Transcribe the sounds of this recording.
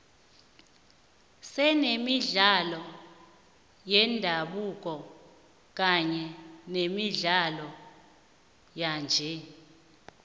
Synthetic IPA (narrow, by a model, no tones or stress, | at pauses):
sɛnemiɮalɔ | jɛndʱaɓuk̬ɔ | k̬aɲɛnemiɮalɔ | jand͡ʒʱɛ